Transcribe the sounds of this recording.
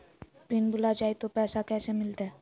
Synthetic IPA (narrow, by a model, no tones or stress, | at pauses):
pɾinbulad͡ʑajt̪opɛʃakɛʃemilt̪e